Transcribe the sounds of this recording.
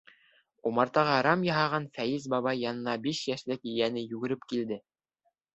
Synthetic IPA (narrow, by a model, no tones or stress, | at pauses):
umɑɾt̪ɑʁɑɾɑmjɑɦɑʁɑnfæjɘzbɑβɑjːɑnɤ̆nɑbiʃjæʃlɘkɘ̆jænɘjʉɡɘ̆ɾɘpkild̪ɘ